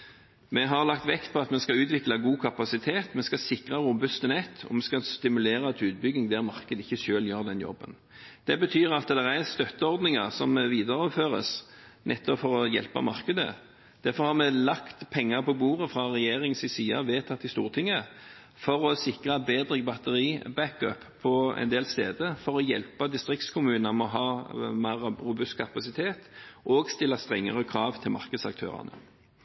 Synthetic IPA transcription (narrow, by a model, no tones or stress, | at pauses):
mɛɦɑʁlɑk̚t̪ʋɛkt̪̚pʰɔɑt̪mɛskɑʉːt̪ʋɪklɑɡuːkʰɑpɑsɪt̪ʰeːt̪mɛskɑsɪkʁɑɾʊbʉst̪ənɛt̪ʰːɔ̰mɛskɑst̪ɪmʉleːɾɑt̪ʰʉːt̪̚bʏɡnɪŋd̪æʁmɑʁkəd̪əɪçːəʃøːljøːʁd̪ɛnjɔ̰bːə̰n | d̪̥ɛbət̪ʰyːʁɑt̪d̪ɛʁæst̪œt̪ːəɔɾd̪nɪŋɑʁsɔmʋiːd̪əɾɔføːʁə̰s | nʔɛt̪ːɔpfɔɾɔjɛ̰lpə̰mɑ̰ɾkəd̪ə̰ | d̪̥æɾfɔɾhɑʁmɛlɑkt̪pʰɛŋːəpʰɔbuːʁəfʁɑʁɛjeːʁɪŋsɪsiːɑʋeːt̪ʰɑt̪ːɪst̪ṵːʁt̪ʰɪŋːə | fɔɾɔsɪkʁɑbeːd̪ʁɪŋbɑt̪əʁiːbækœpʰːɔɛ̰nd̪eːlst̪eːd̪əfɔɾɔjɛ̰lpəd̪ɪst̪ʁɪkt̪skʰʊmʉːnɑmɔɦɑːmeːʁɾʊbʉst̪̚kʰɑpɑsɪt̪ʰeːt̪ʔɔɡst̪ɪlːɑst̪ʁɛŋːə̰ʁəkʰɾɑːʋt̪ʰɪlmɑ̰ʁkəd̪sɑ̰kt̪ʰø̰ːʁɑ̰nə̰